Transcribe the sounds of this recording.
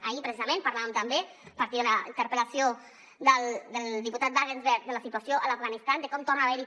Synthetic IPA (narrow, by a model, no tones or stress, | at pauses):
aipɾesizamẽnpaɾlaβəmt̪ambe | paɾt̪iðunaint̪əɾpəlasjo | d̪əld̪əld̪iput̪at̪̚baɣenzβɛɾt̪̚d̪əlasit̪uasjoʔəlafɣanist̪and̪əkɔmt̪ornaβeɾi